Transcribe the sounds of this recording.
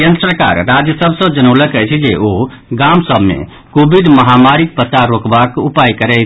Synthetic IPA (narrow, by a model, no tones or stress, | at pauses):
jənd̪sɾəka̰ɾːad͡ʒjəsəbsə̃d͡ʒənəwləkət͡ʃʰid͡ʒeʔo | ɡamsəbʱmḛ | kobiɖməɦamaɾik̚pətaɾokbakupajkəɾɛt͡ʃʰ